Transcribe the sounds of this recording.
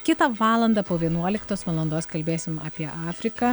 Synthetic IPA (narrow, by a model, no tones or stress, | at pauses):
kʲɪt̪ɐʋɑːlˠɐnd̪ɐpoːʋʲiɛnuɔlʲɪkt̪oːsʋɐlˠɐnd̪oːskɐlʲbʲeːsʲɪmɐ̰ːpʲiɛʔɑːfʲɾʲɪkɐ